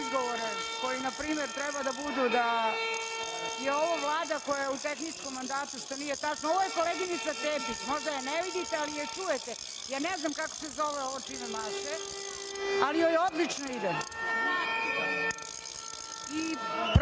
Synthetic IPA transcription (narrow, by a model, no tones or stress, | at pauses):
zɡoʋoɾeko̞jinapɾiːmeɾt̪ɾɛbad̪abud̪ud̪a | jeoʋoʋlˠaːd̪ako̞jajeut̪exniskomːand̪aːt̪uʂt̪o̞niːjet̪at͡ʃnooʋojeko̞leɡinit̪sat̪eːpismo̞ʒd̪ajaneʋid̪it̪ealijet͡ʂujet̪e | jaːneznamkako̥sezo̞ʋeoʋot͡ʃinemaʃe | alijojeod̪lit͡ʃnoid̪e | ipɾ